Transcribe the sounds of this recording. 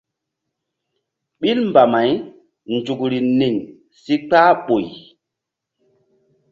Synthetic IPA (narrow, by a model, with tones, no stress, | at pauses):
ɓi˦lmba˨ma˨j | nd͡ʒu˨kɾi˨ni˨n | si˦k͡paː˦ɓo˨j